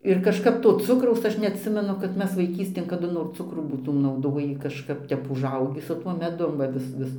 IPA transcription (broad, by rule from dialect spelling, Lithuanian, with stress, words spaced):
ɪr kɐʃˈkɐp ˈtoː ˈt͡sʊkrɐʊs ˈɐʃ nʲɛɐtʲˈsʲɪmʲɛnʊ kɐt ˈmʲɛs ʋɐɪˈkʲiːsʲtʲeːn kɐˈdʊ noːr ˈt͡sʊkruː buːˈtuːm nɐʊˈdoːjiː kɐʃˈkɐp ˈtʲɛp ʊʒˈɐʊɡʲiː sʊ ˈtuɔ mʲɛˈdʊm ʋɐ ˈʋʲɪs ˈʋʲɪs